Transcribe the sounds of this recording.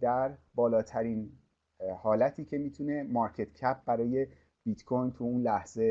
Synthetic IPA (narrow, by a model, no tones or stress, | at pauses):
d̪æɾbɒːlɒːt̪ʰæɾiːn | hɒːlæt̪ʰiːcʰe̞miːt̪ʰune̞mɒɾcʰe̞t̪cʰæp̚ʰbæɾɒːje̞ | b̥it̪kʰojnt̪ʰuuːnlæhz̥e̞